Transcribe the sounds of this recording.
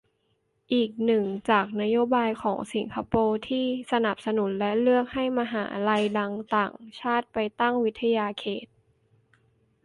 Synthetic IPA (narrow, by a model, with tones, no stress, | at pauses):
ʔiː˨˩k̚nɯ˨˩ŋt͡ɕaː˨˩k̚na˦˥joː˦˥baː˧jkʰɔː˩˦ŋsi˩˦ŋkʰa˧poː˧t̪ʰiː˥˩sa˧na˨˩p̚sa˧nu˩˦nlɛ˦˥ʔlɯ˥˩ək̚ha˥˩jma˧ɦa̰ː˩˦la˧jda˧ŋt̪aː˨˩ŋt͡ɕʰaː˥˩t̪̚pa˧jt̪a˥˩ŋwi˦˥t̪ʰːa˧jaː˧kʰeː˨˩t̪̚